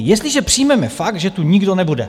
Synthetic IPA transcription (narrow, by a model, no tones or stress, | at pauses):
jɛst̪liʒɛpr̝̥ijmɛmɛfak̚t̪ʒɛt̪uɲiɡdonɛbudɛ̰